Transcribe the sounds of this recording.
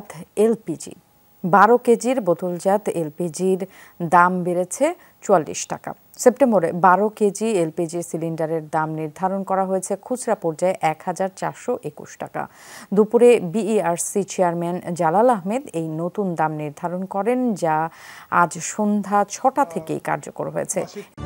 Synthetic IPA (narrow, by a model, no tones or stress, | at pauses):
t̪ʰelpid͡ʑḭ | baɾoked͡ʑiɾbot̪uld͡ʑat̪ʰelpid͡ʑiɾ | d̪ambeɾet͡ɕʰe | t͡ɕualːḭʃʈa̰ka̰ | sep̚ʈemboɾebaɾoked͡ʑielpid͡ʑiɾsiliɳɖaɾeɾd̪amniɾd̪ʱaɾonkɔɾaɦojet͡ɕʰekʰud͡ʑɾapɔɾd͡ʑaeʔɛkhad͡ʑaɾt͡ɕa̰ɾʃoʔekṵʃʈa̰ka̰d̪upuɾebiaɾsit͡ɕeaɾmɛnd͡ʑalalaɦmed̪ejnot̪und̪amniɾd̪ʱaɾonkɔɾend͡ʑaa̰d͡ʑʃond̪ʱat͡ɕʰɔʈat̪ʰekḛjka̰ɾd͡ʑokoɾɦojḛt͡ɕʰe